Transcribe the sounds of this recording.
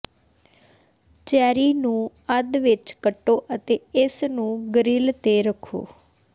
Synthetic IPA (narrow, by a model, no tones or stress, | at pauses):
t͡ʃɛːɾiːnũː | əd̪ʋɪt͡ʃkəʈːoːʔət̪eːɪsnũːɡəɾɪːlt̪eːɾəkʰːo̰ː